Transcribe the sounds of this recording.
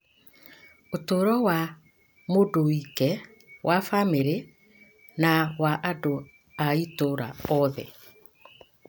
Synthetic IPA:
otoɾɔwa | modoikɛ | wʔafameɾe | nawaʔado | aitoɾa̰ɔðɛ̰

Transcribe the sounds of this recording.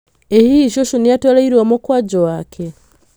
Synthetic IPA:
ehiʃoʃunijatolaiɾomukwad͡ʒowakʰe

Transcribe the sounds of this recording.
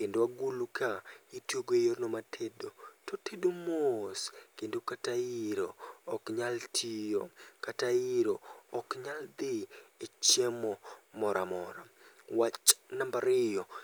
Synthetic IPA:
kendowaɡulukaitjoɡejornomatʰedotɔtedomoskendokataiɾoːkɲaltʰijokataiɾoɔkɲald̪ɪet͡ʃemɔmɔɾʔamɔɾa | wat͡ʃnambaɾɪjɔ

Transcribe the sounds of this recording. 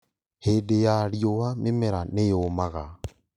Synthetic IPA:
hedejaɾiowamemeɾanejoːmaɣa

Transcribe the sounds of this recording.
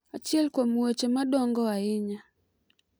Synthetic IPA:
at͡ʃjɛlkwomwet͡ʃemaɗɔŋɡɔaɪɲa

